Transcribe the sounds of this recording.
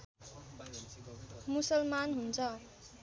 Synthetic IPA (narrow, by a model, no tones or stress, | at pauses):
musʌlmanɦunt͡sʰʌ